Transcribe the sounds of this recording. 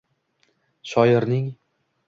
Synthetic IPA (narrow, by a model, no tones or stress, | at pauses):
ʃɒjɪɾnɪŋ